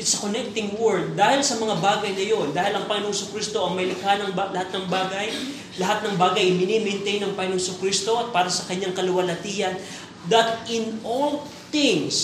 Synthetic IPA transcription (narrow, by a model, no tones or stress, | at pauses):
ɪt̪sɐkonɛk̚t̪ɪŋwɛɹd̪̚d̪aːhɪlsɐmɐŋabaːɡɐjnɐjo̞nd̪aːhɪlɐŋpɐŋɪnoŋsʊkɾist̪o̞ʔɐŋmɐjlɪkhanɐŋbalɐhat̪̚nɐŋbaːɡɐj | lɐɦat̪̚nɐŋbaːɡɐjʔmɪnimɛnt̪ɛjnɐŋpɐŋɪnoŋsʊkɾist̪o̞ʔɐt̪̚paːɾɐsɐkɐɲːaŋkɐlʊwɐlɐt̪ijɐn | d̪ɐt̪̚ɪnol | t̪ɪŋs